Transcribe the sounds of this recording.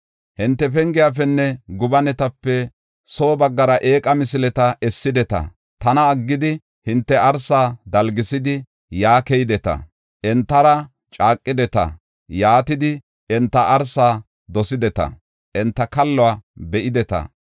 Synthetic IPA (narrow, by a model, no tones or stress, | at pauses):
hɪnt̪ːɛpɛŋɡɪjafɛnːɛɡʊbɐnɛt̪ɐpːɛ | so̞ːbɐɡːɐɾɐʔeːkʼɐmɪsɪlɛt̪ɐʔɛsːɪd̪ɛt̪ɐ̰ | t̪ɐnɐːɡːɪd̪ɪ | hɪnt̪ːɛɐɾsaːd̪ɐlɡɪsɪd̪ɪ | jaːkɛjd̪ɛt̪ɐ̰ | ʔɛnt̪ːɐɾɐ | t͡ʃʼaːkʼːɪd̪ɛt̪ɐ̰ | jaːt̪ɪd̪ɪ | ɛnt̪ːɐʔɐɾsaː | d̪ɔsɪd̪ɛt̪ɐ̰ | ʔɛnt̪ːɐkɐlːɔwabɛʔɪd̪ɛt̪ɐ̰